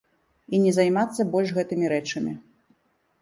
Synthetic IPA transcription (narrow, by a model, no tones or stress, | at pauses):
inʲɛzɐjmat̪sːɐbɔlʲʂɣɛt̪ɨmʲiɾɛt͡ʂɐmʲi